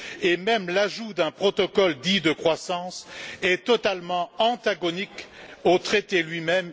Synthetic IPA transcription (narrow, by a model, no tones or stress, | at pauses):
emɛmlaʒud̪ɛ̃pχɔt̪ɔkɔld̪id̪əkχwasɑ̃sɛt̪ɔt̪almɑ̃ɑ̃t̪aɡɔnikot̪χet̪elɥimɛm